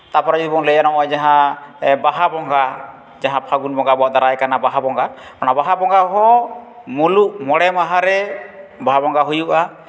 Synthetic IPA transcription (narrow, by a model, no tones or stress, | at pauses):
t̪apɔɾad͡ʒd̪ibɔŋlɛjanɔʔɔd͡ʒaɦãbaɦabɔŋɡa | d͡ʒaɦãpʰaɡunbɔŋɡabɔaʔd̪aɾaɛkanabaɦabɔŋɡa | manabaɦabɔŋɡaɦɔ̃ | muluʔmɔɽɛmaɦaɾɛbaɦabɔŋɡaɦujuʔa